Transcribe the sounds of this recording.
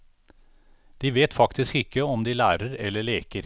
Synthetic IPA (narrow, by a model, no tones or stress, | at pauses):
d̪̥iːʋeːt̪fɑkt̪ɪskɪkːəɔmd̪iːlæːɾəɾɛlːəɭeːkəɾ